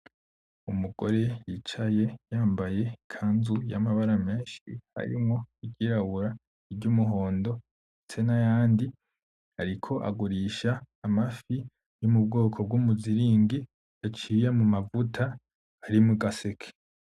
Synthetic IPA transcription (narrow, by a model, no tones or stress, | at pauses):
umuɡo̞ɾe̞jit͡ʃaje̞jaːmbaje̞kʰaːnzujamaβaɾame̞ːnʃḭha̰ɾḭmŋoiɟiɾaβuɾa | iɟumuɦo̞ːndo̞ | t͡senajaːndi | haɾikʰo̞ʔa̰ɡuɾiːʃaː | mafi | jomub̚ɡo̞ːkʰo̞b̚ɡumuziɾiːŋɡi | at͡ʃiːjemumavutʰaː | ɾimuɡasekʰe̥